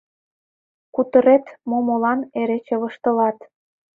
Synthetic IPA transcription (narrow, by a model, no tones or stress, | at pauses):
kut̪əɾet̪momolɑneɾet͡ɕeβə̆ʃt̪ə̆lɑt̪